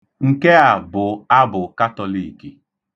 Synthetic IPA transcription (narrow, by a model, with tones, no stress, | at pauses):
ŋ̩˨ke˦a˨bʊ˨a˦bʊ˨ka˦tɔ˨li˨ki˨